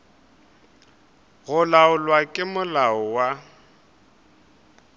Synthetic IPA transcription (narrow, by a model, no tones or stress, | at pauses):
ɣʊlaʊlwakʼɪmʊlaʊwa